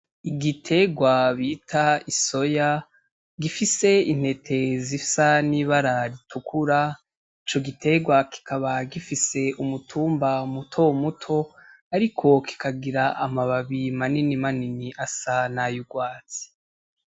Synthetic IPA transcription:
iɡitʰe̞ɡwaβiːtʰaiso̞ja | ɡifise̞in̥he̞tʰe̞zifsaniβaɾaɾitukʰuɾa | it͡ʃo̞ɡitʰe̞ɡwaki̥kʰaβaɡifise̞ʔumutʰuːmbamutʰomutʰo̞ | aɾikʰo̞ki̥kʰaɡiɾaamaβaβimaninimaniniʔasanajuɡwaːt͡si̥

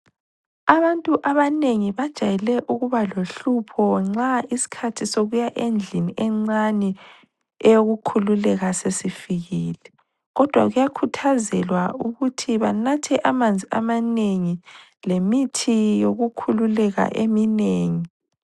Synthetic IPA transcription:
aβantʼuʔaβaneŋiβad̥ʒ̥ʱajɛlɛʔuɣuβaloɬupʰɔŋ͡ǁaisi̥kʰatʰisoɣujaʔend͡ɮʱiniɛŋ͡ǀanɛ | ɛjoɣukʰululɛɣasesifiɣiːlɛ | ɣɔd̥ʱwa̰ɣujakʰutʰazɛlwauɣutʰiβanatʰɛʔamand͡zʱiamaneŋi | lemitʰijoɣukʰululɛɣa̰ʔemineːŋi

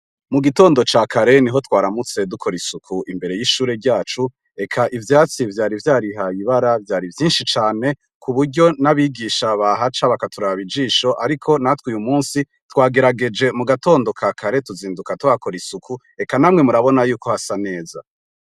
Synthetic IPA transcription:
muɡito̞ːndo̞t͡ʃaːkʰaɾe̞niɦo̞twaːɾamut͡se̞dukʰo̞ɾisukʰuʔimbe̞ɾe̞jiʃuːɾe̞ɾɟaːt͡ʃu | e̞kʰaʔivjaːt͡sivjaːɾivjaːɾiɦajiβaɾavjaːɾivjiːnʃit͡ʃaːne̞ | kʰuβuɾɟo̞naβiɡiːʃaβaɦat͡ʃaβakatuɾaaβid͡ʒiːʃo̞ʔaɾikʰo̞natwuːjumuːnsi | twaːɡe̞ɾaɡe̞d͡ʒe̞muɡato̞ːndo̞kʰakʰaɾe̞tuziːndukatwako̞ɾisukʰu | e̞kanamŋe̞muɾaβo̞najuːko̞hasane̞ːza̰

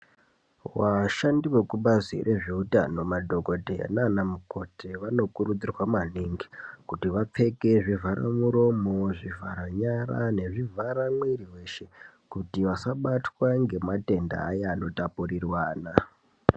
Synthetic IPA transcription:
waʃandiwe̞kuɓazḭrʔe̞ʐiuta̰no̞madʱo̞ɡʱo̞dʱea̰nanamuko̞teʋano̞kuɾud͡zirwamaniŋɡi̥kutiʋap͡fe̞ke̞ʐivʱaɾa̰muɾo̞mo̞ʐivʱaɾaɲaɾa̰ne̞ʐivʱaɾamwiriwe̞ʃe̞ | kutiʋasaɓatwaŋɡe̞mate̞nda̰ːjaːno̞tapurirwaːna

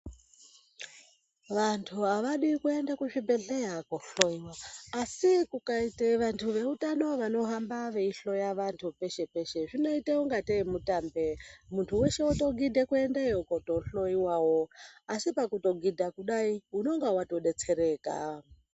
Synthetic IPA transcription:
ʋantʰuaʋaɗikue̞ndakuʐibeɮejakoɬo̞iwaːsikukaiteʋantʰuʋe̞utano̞ʋano̞ɦambaʋeiɬo̞jaʋantʰupe̞ʃe̞pe̞ʃe̞ʐino̞iteuŋɡateimutambemuntʰuwe̞ʃeuto̞ɡidʱekue̞ndajokoto̞ɬo̞iwawoasipakuto̞ɡidʱakuɗaiuno̞ŋɡawato̞ɗe̞t͡se̞ɾe̞ːka̰

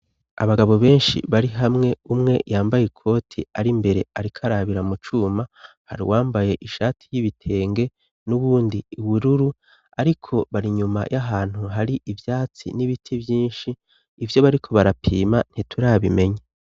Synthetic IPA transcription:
a̰βaɡaβo̞βe̞ːnʃḭβaɾiɦamŋe̞umŋe̞jaːmbajekʰo̞ːtʰḭaɾimbe̞ɾe̞aɾikʰaɾaβiɾamut͡ʃuːma | ha̰ɾḭwʔaːmbaje̞ʔiʃaːtʰi̥jiβitʰe̞ːŋɡe̞ | nuβuːndiuβuɾuɾu | aɾikʰo̞βaɾiɲuma̰jʔaɦaːn̥huɦaɾiʔivjaːt͡sḭniβitʰiβjiːnʃiː | vjo̞βaɾikʰo̞βaɾapʰḭːman̥itʰuɾaβime̞ɲa

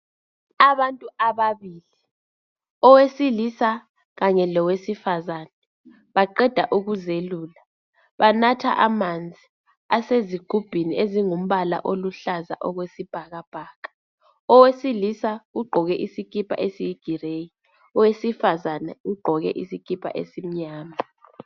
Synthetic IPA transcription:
aβantʼuaβaβiːli | ɔwesilisa | ɣaɲɛlɔwesifazaːnɛ | βaǃɛd̥ʱaʔuɣuzeluːla | βanatʰa̰ʔamand͡zʱi | aseziɡ̥ʱub̥ʱinieziŋum̩βala̰ʔoluɬaza̰ʔɔɣwesib̥ʱaɣab̥ʱaːkʰḁ | ɔwesilisauɡ͡ǃʱɔɣɛʔisikʰʼipʰa̰ʔesijiɡ̥ʱireji | ɔwesifazanɛ̰uɡ͡ǃʱɔɣɛ̰ʔisik̬ʰʼipʰa̰ʔḛsim̩ɲaːma

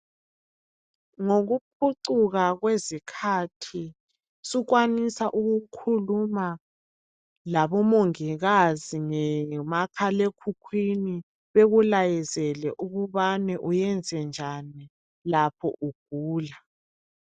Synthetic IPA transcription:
ŋoɣup̚ʰuǀuɣaɣwezikʰatʰi | sukwanisaʔuɣukʰuluma | laβɔmoŋiɣaziŋɛmakʰalekʰukʰwini | βeɣulajɛzɛlɛʔuɣuβanɛʔujɛnd͡zʱɛnd͡ʒʱani | lapʰɔ̰ʔuɡ̥̚ʱuːla

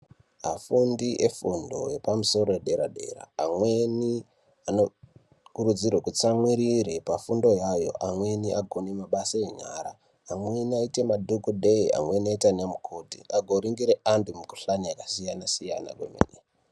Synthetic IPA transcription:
a̰fundiʔefundo̞̰je̞pamuso̞ɾo̞jeɗe̞ɾa̰ɗe̞̰ra̰ːmweni | ano | kuɾud͡zirwekut͡samwiɾiɾepafundo̞jajo̞̰ʔamwe̞niʔaɡʱonemaɓasaeɲa̰ːɾaː | mweniaite̞madʱukuɗe̞ia̰mwe̞niaitanamukʰotḭʔaɡʱoɾiŋɡiɾeʔantumuku̥ɬanijakasijanasija̰na̰kwemḛne

